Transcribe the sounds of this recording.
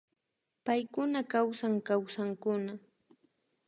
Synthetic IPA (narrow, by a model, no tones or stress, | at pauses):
pajkʊnakawsaŋkawsaŋkʊna